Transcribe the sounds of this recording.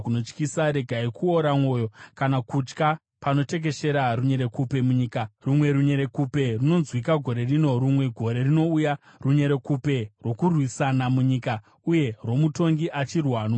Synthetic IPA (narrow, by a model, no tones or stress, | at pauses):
kuno̞t͡ʃkisaɾe̞ɡʱaikuoɾamwo̞ːjo̞kanakut͡ʃka | pano̞te̞k̬e̞ʃe̞ɾaruɲe̞ɾe̞kupe̞muɲiːkarumwe̞ɾuɲeɾe̞kupe̞runo̞nzwikaɡʱo̞ɾe̞rino̞ɾumwe̞ɡʱo̞ɾe̞rino̞uja | ruɲe̞ɾe̞kupe̞rwo̞kurwisanamuɲika | uje̞rwo̞muto̞ŋɡiʔat͡ʃirwaːno